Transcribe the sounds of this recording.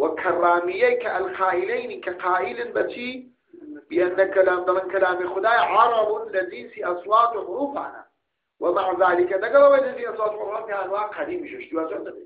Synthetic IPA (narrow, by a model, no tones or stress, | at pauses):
wakʰɑrˤːaːmɪjːakaʔalqʰaːʔɪlajnikaqaːʔɪlɪnbat͡ʃiː | bɪʔanːakalaːmd̪ɑmɪnkalaːmixʊd̪aːjaʕɑɾˤɑbʊlaziːsiːʔɑsˤwɑːt̪ˤʕʊɾuːfa̰na̰ | wʔamaʕðaːlɪkad̪aɡɑɾˤɑbalaziʔɑsˤwɑːt̪ˤʕʊɾufaːnfiaanwaːʔqɑd̪iːmiʃuʃt̪iwaːt̪ana